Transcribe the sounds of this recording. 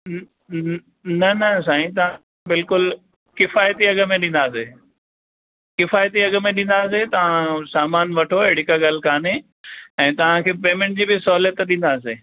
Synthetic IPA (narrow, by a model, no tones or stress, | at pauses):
nɐnɐsaːĩt̪̬ɐʋ̤ã | bɪlkʊl | kɪfaːjət̪iɐɡə̆mẽɗĩːn̆d̪aːse | kɪfaːjt̪iɐɡə̆mẽɗĩn̆d̪aːs̬et̪ɐʋ̤ãsaːmaːnʋɐʈʰoɛɽ̤ɪkaɡal̤kʰaːne | ɛ̃ːt̪ɐʋ̤ãkʰeːpeːmɛ̃ɳʈ̚d͡ʑiːbɪsɔɦljət̪ɗĩːn̆d̪aːseː